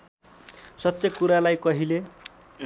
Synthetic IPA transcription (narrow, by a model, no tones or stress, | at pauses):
sʌt̪jʌkuɾalajkʌɦile